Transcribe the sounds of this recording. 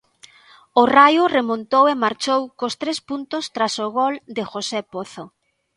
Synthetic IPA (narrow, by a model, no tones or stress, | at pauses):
ʊrajʊremõnt̪owemaɾt͡ʃowkost̪ɾespunt̪ʊst̪ɾasoɣold̪ɪxosepoθo